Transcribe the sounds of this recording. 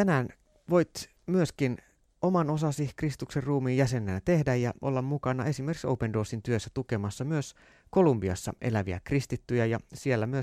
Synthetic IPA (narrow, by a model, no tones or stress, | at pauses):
t̪ænæːn | ʋo̞jt̪ | myøskin | o̞mɑno̞sɑsikrist̪ukserruːmiːjæse̞nːæːæt̪e̞hdæjjɑʔo̰lːɑmmukɑnɑʔe̞simerki̥ksoupendo̞ːsint̪yøsːæt̪ukemɑsːɑmyøs | ko̞lumbiɑ̰sːɑ̰ʔe̞̰læʋiæ̰krist̪it̪ːyjæjɑsielːæmyøs